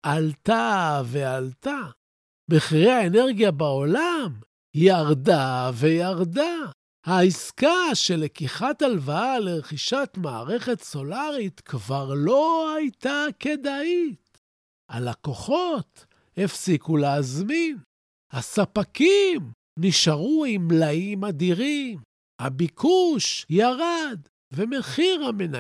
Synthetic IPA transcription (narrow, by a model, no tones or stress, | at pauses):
ʔalt̪ave̞alt̪a | beχiʁeaene̞ʁɡjabao̞lam | hijaʁdave̞jaʁda | haiskaʃe̞lekiχat̪alvaaleʁeχiʃat̪maːʁe̞χe̞t̪so̞laʁit̪kvaʁlo̞ajt̪ake̞d̪ait | ʔalako̞χo̞t̪ | hefsikuleazmin | hasapakim | niʃaʁuimlaimad̪iʁim | ha̰bikʰuʃjaʁad̪ | vemeχiʁhamena̰